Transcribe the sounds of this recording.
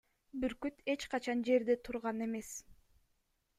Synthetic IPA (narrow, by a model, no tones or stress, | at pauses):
byɾkyt̪ʰe̞t͡ʃqɑt͡ʃɑnd͡ʒe̞ɾd̪et̪ʰuɾʁɑne̞me̞s